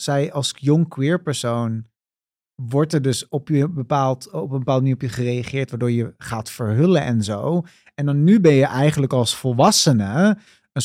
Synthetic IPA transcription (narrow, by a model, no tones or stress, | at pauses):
sɛjɑlˠsjɔŋkwɪːɹpəɹsown | ʋɔɹtɛɹdɵsɔpjəbəpaːlˠtɔpəmbəpaːlˠd̚mniːrɔpjəːɹχərejaχɪːɹtʋaːɹdoːɹjəχaːtfəɹɦɵləʔɛnzow | ɛndɑnːybɛnjəʔɛjχənləkɑlˠsfɔlˠʋɑsənə | ən